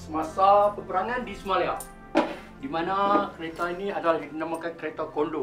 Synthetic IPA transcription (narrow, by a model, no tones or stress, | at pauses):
səmasapəpəɾaŋãndisəmalea | dimanakəɾet̪ainĩadalahinamakankəɾet̪akondo